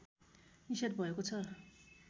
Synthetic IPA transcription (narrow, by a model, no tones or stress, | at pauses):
niset̪bʱʌekot͡sʰʌ